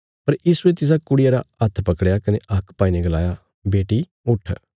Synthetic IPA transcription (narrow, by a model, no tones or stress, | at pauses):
pɐɾjiːsuet̪ɪs̬aːkʊɽɪjaːɾa̰ɐt̪ʰpɐkɽjaːkɪneʔɐkʰːpaːiːneɡəla̰ːjaː | beːʈiː | ʊʈʰ